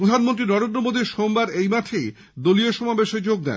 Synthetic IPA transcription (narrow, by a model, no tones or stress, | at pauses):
pɾod̪ʱanmont̪ɾinɔɾend̪ɾomod̪iɾʃombaɾejmat̪ʰej | d̪olijoʃɔmabeʃed͡ʑoɡ̚d̪ɛ̰n